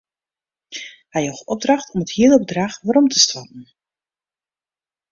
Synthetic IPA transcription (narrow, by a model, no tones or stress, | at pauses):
hɛjoxɔb̚drɑχtʰɔməthiələbədraxʋaɾɔmtʰəstapn̩